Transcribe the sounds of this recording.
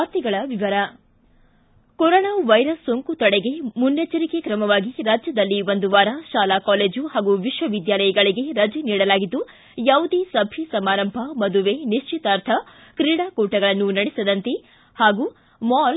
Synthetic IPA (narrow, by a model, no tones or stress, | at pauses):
ɾt̪iɡɐɭɐʋiʋɐɾɐ | kɔɾoːnaːʋɐjɾɐsːoŋkut̪ɔɽeɡe̞munːet͡ʃːɐɾikekɾɐmɐʋaːɡiɾaːd͡ʒjɐd̪ɐlːiʋond̪uʋaːɾaʃaːlaːkaːleːd͡ʒuɦaːɡuʋiʃʋɐʋid̪jaːlɐjɐɡɐɭiɡe̞ɾɐd͡ʒɛniːɽɐlaːɡid̪ːu | jaːwud̪isɐbʱisɐmaːɾɐmbʱɐmɐd̪uʋeniʃt͡ʃit̪aːɾt̪ʰɐ | kɾiːɽaːkuːʈɐɡɐɭɐnːunɐɽisɐd̪ɐnt̪e | haːɡu | maːl